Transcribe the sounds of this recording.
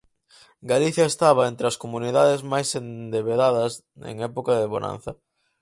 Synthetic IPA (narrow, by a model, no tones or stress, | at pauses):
ɡaliθjɐest̪aβɐent̪ɾeɐskomuniðaðezmajsend̪eβeðaðɐs | ḛŋɛpokaðeβonã̰nθɐ